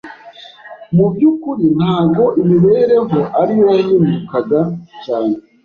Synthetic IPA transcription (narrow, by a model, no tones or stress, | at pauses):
mubɟukuɾin̥haːb̚ɡo̞ʔimiβe̞ːɾe̞ŋhoʔaɾijoahiːndukaɡat͡ʃaːne